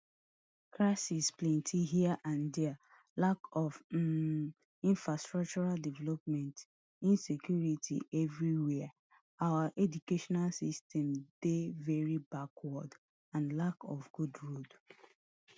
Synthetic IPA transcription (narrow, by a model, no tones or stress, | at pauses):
kɹaɪsisplɛ̃ntʰiɦiaʔãndɛa | lakɔv | ĩnfɹastɹak̚t͡ʃɔɹaldivɛlɔpmɛ̃nt | ĩnsekjuɹitʰḭʔɛvɹiwɛa | awaʔɛdukeʃɔnalsistʰɛ̃md̥evɛɹibakʰwɔd | ãnlakɔfɡ̥udɹud